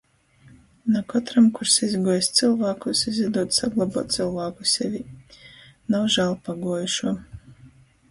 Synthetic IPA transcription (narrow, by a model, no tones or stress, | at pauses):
nakɔt̪ɾamkuɾsizɡuɔjsʲt̪sɨlˠvaːkusizʲid̪uɔt̪saɡlˠabuɔːt̪t̪slˠvaːkusʲɛvʲi | nawʒaːlˠpaɡuɔjuʃuɔ